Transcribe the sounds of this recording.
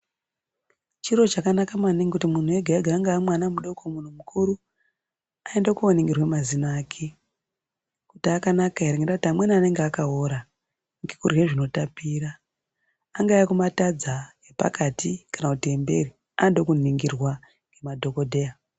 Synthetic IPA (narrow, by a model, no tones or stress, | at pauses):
t͡ʃiɾo̞t͡ʃakanakamaneŋikutimun̤ueɡʱaeɡʱaːŋɡaːmwanamuɗo̞ko̞mun̤umukʰuɾu | ae̞ndekuoneŋɡirwemazinaːkʰe | kutiakanakaeɾeŋɡendakutiamwenane̞ŋɡeakaɦoɾa | ŋɡekurwe̞ʐino̞tapiːɾaː | ŋɡajakumatad͡zaɡepa̰katikanakutiembe̞̰ri | andokuniŋɡirwa | ŋɡe̞madʱo̞ko̞dʱea